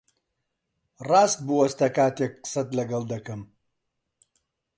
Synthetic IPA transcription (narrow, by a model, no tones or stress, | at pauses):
rɑːst̪̚buɐst̪ɐkaːt̪eːk̚qə̥sɐt̪lɐɡɐlˠd̪ɐkɐm